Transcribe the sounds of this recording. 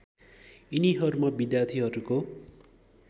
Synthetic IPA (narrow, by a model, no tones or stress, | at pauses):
iniɦʌɾumʌbid̪jart̪ʰiɦʌɾuko